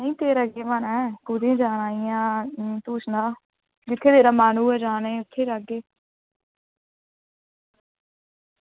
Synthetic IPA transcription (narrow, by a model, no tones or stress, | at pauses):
nəĩːt̪eːɾəɡeːmanɛːkʊd̪ẽːd͡ʒaːnaːijãːt̪uːsnaː | ɡɪt̪ʰːeːt̪eːɾaːmaːnũːɛːd͡ʒaːneːʊt̪ʰːeːɾaɡeː